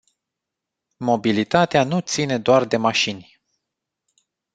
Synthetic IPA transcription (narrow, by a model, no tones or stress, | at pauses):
mo̞bilit̪at̪eanut̪sine̞d̪oard̪e̞maʃinʲ